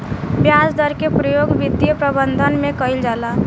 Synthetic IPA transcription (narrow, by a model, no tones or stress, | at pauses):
bjasd̪əɾkepɾəjoɡbid̪ːijəpɾəbənd̪ʱənmẽkəjld͡ʒala